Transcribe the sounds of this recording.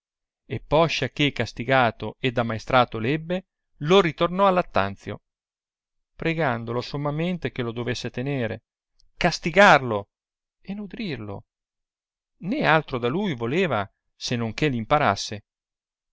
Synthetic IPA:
epːɔʃːak̟ekːast̪iɡaːt̪oed̪ːamaest̪ɾaːt̪olɛbːe | lorit̪ornɔalːat̪ːa̰nt̪sjo̰ | pɾeɡand̪olosomːament̪ek̟elod̪ovesːet̪eneːɾḛ | kast̪iɡarlo | enud̪ɾirlo̰ | nɛalt̪ɾod̪alujvoleːva | senoŋkelimpaɾa̰sːe

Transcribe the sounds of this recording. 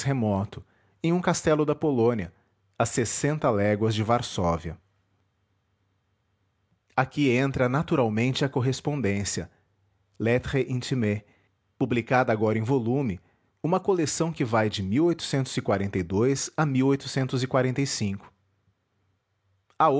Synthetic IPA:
hemɔt̪ʊ̥ | ẽj̃ũkast̪ɛlʊd̪ɐpolõniɐ | ɐsesẽnt̪ɐlɛɡwɐzd͡ʒɪvaɾsɔviɐ̰ | akiẽnt̪ɾɐnat̪uɾawmẽnt͡ʃɪɐkoɦespõnd̪ẽsiɐ̰ | let̪ʁeʔĩt͡ʃime | publikad̪ɐːɡɔɾɐẽj̃volũmɪ | ũmɐkolesɐ̃w̃kɪvajd͡ʒɪmiwojt̪ʊ̥sẽnt̪ʊzɪkwaɾẽnt̪ejd̪ojz̥ɐmiwojt̪ʊ̥sẽnt̪ʊzɪkwaɾẽnt̪ejsĩkʊ̥ | ao

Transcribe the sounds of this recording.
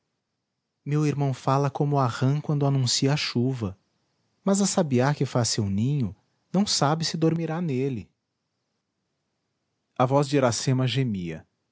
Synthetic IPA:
mewiɾmɐ̃w̃falɐkõmʊʊaʁɐ̃kwɐ̃nd̪ʊanũsiɐaʃuvɐ | mɐzɐsabiaɾkɪfasewnĩɲʊ | nɐ̃w̃sabɪsɪd̪oɾmiɾanelɪ | ɐvɔzd͡ʒɪɾasẽmɐʒemiɐ̰

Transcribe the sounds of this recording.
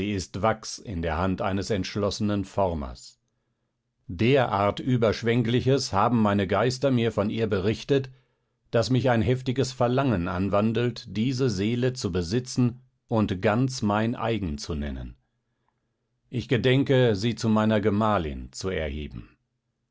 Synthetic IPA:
iːɪstv̥aksɪ̰ndeːɐhantʔa̰ɪnəsɛntʃlɔsənənfɔʁmɐ̰s | d̥eːɐʔa̰ːɐtʔyːbɐʃv̥ɛŋklɪçəshaːbm̩maɪnəɡaɪstɐmiːɐfɔniːɐbəʁɪçtət | d̥asmɪçaɪnɦɛftɪɡəsfɛɐlaŋənʔa̰nvandl̩td̥iːzəzeːlət͡subəzɪt͡sn̩ | ʔʊntɡ̥ant͡smaɪnʔa̰ɪɡŋ̩t͡sunɛ̰nə̰n | ʔɪçɡ̥ədɛŋkəziːt͡sumaɪnɐɡəmaːlɪ̰nt͡suɛɐhḛːbm̩

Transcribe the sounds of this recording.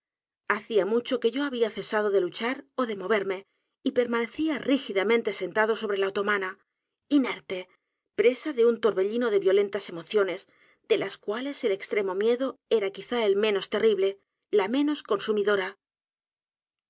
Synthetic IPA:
aθiamut͡ʃo̞ke̞ʝo̞aβiaθe̞sað̞o̞ðe̞lut͡ʃaɾo̞ðe̞mo̞β̞e̞ɾme̞ | ipe̞ɾmãne̞θiarixiðamẽnt̪ese̞nt̪að̞o̞so̞βɾe̞laot̪o̞mana | ine̞ɾt̪e̞ | pɾe̞saðe̞unt̪o̞ɾβe̞ʎino̞ðe̞βjo̞le̞nt̪ase̞mo̞θjo̞ne̞s | d̪e̞laskwale̞se̞le̞kst̪ɾe̞mo̞mje̞ðo̞e̞ɾakiθaelmẽ̞no̞st̪e̞riβle̞ | lamẽ̞no̞sko̞nsumiðo̞ɾa

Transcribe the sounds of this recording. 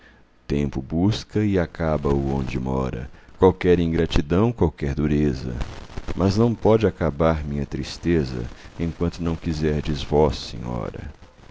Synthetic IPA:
t̪ẽmpʊbuskɐɪakabɐʊõ̰nd͡ʒɪmɔɾɐ̰kwawkɛɾĩŋɡɾat͡ʃid̪ɐ̃w̃kwawkɛɾd̪uɾezɐ̰mʔɐznɐ̃w̃pɔd͡ʒɪakabaɾmĩɲɐt̪ɾist̪ezɐ̰ẽkwɐ̃nt̪ʊnɐ̃w̃kizɛɾd͡ʒɪzvɔsḛ̃ɲɔ̰ɾɐ̰

